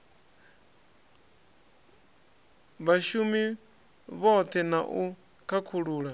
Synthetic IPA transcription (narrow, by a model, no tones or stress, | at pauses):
βaʃumi | βɔt̪ʰɛnaʔu | kʰakʰuɺuːɺa